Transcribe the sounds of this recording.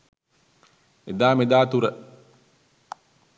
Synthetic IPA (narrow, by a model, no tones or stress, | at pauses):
ed̪aːmed̪aːt̪uɾə